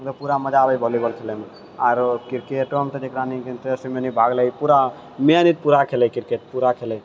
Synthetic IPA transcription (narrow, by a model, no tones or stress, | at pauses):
t̪ɔpuɾaməd͡ʒabəjbʱɔlibəlkʰeleme | aɾkiɾkeʈɔmt̪ɔd͡ʒekɾanikent̪ɾesəmenibʱaɡləjpuɾa | menit̪̚puɾakʰelɛjkiɾket̪̚puɾakʰelɛj